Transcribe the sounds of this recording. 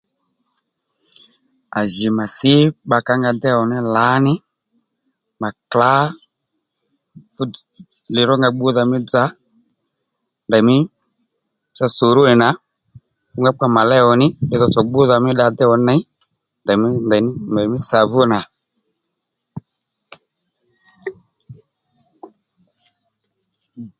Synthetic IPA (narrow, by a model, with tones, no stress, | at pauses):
a̰˨ʒɪ˨ma˨θɪ˦ɓa˨ka˦ŋɡa˧dɛ˦ɔ˨nɪ˦la˨˦nɪ˦ | ma˨kla˨˦ | lɪ˨ɾɔ˦ŋɡa˧ɡ͡bʊ˦ða˧mɪ˦d͡za˦ | nda˨mɪ˦ | t͡ʃa˧so˨ɾʊ˦nɪ˨na˨˦ | fʊ˦ŋɡa˦k͡pa˧ma˨lɛ˦ɔ˧nɪ˦ɛ˦ðɔ˧˨t͡sɔ˨ɡ͡bʊ˦ða˧˨mɪ˦ɗa˧d̪ɛ˦ɔ˧nɛ˦ | nda˨m˦nda˨˦na˨mɪ˦sa˨vʊ˦na˨